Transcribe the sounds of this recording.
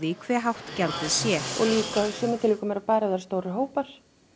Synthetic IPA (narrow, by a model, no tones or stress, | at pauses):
vikʰvɛːɦawht̪cawlt̪ɪðsjɛɔ̰ɣliːkasœmt̪ʰɪliːkʏmɛɾapaːjɾaɪðaɾ̥st̪oːwɾɪɦoːwpaɾ̥